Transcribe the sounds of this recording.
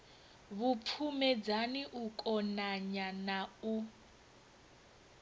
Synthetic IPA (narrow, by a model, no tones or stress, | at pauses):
βupʰumɛd͡zaniʔukʼɔnaɲanau